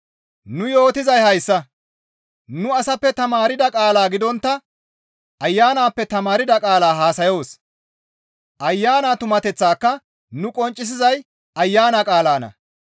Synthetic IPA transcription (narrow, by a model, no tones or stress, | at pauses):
nʊjo̞ːt̪ɪzɐjhɐjsːɐ | nʊɐsɐpːɛt̪ɐmaːɾɪd̪ɐkʼaːlaːɡɪd̪ɔnt̪ːɐ | ʔɐjːaːnaːpːɛt̪ɐmaːɾɪd̪ɐkʼaːlaːɦaːsɐjo̞ːs | ʔɐjːaːnaːt̪ʊmɐt̪ɛt͡sːaːkːɐ | nʊkʼɔnt͡ʃʼːɪs̬ɪzɐj | ʔɐjːaːnɐkʼaːlaːnɐ̰